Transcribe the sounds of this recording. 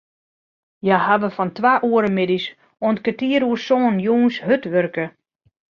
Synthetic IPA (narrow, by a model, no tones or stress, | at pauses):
jahaʋəfɔntʋaːʔuəɾəmɪdis | ontkətiəɾuəsoːnjuːnsɦøtʋørkə